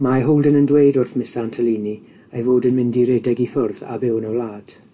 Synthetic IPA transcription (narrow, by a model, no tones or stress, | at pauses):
maɦowlˠdənəndwejdʊrθmɪstantʰəliːni | ajvoːdənmɪndiɾɛdɛɡifʊrða̰bɪwnɔlˠaːd̥